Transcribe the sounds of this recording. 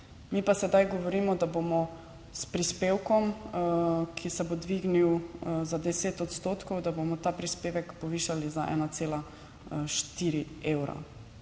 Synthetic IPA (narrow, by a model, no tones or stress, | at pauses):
mipasɛd̪ajɡɔʋɔɾiːmɔd̪abomɔ | spɾispeːwkɔm | kʰisɛbod̪ʋiɡniwzad̪ɛseːt̪ɔt̪st̪oːt̪kɔwd̪abomɔt̪aːpɾispeːʋɛkpɔʋiːʃalizaʔɛ̰ːnat̪seːla | ʃt̪iɾi | ewɾa̰